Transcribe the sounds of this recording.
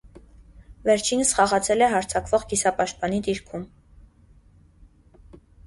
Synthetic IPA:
vɛɾt͡ʃʰinəsχɑʁɑt͡sʰɛlɛɦɑɾt͡sʰɑkvɔʁɡisɑpɑʃt̪̚pɑnid̪iɾkʰum

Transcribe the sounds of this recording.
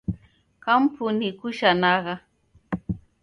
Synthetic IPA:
kampʰʊnɪkʊʃanɑɢɑ

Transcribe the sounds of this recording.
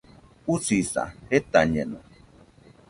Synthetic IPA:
ut͡sisa̰het̪aɲeno

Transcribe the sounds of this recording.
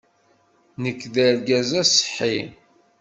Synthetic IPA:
nəkːðəɾɡæzæsə̥ħi

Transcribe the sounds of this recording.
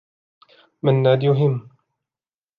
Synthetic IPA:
manːaːd̪jʊɦɪmː

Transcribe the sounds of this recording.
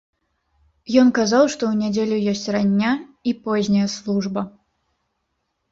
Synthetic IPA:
jɔnkazawʂt̪ɔwnʲɛd͡zʲelʲujɔsʲt͡sʲranʲːaipɔzʲnʲɐjɐslˠuʐbɐ

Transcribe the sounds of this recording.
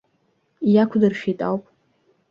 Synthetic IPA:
jakʷʰdɨrʃᶣitʼawpʼ

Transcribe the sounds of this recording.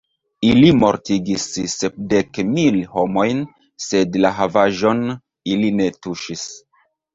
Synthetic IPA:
ilimo̞̰ɾtiɡisːep̚de̞kmilho̞mo̞jn | se̞dlaɦavaʒo̞n | iline̞tuʃis

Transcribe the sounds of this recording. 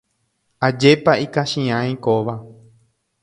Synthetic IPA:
ad͡ʒe̞paikaʃĩãj̃koʋa

